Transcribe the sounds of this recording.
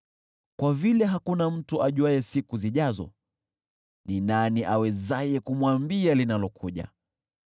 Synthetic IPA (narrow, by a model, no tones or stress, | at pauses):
kwavilɛɦakunam̩tuʔaʄuajɛsikuziʄazɔ̰ | ninaniʔawɛzajɛkumwambialinalɔkʰuʄa̰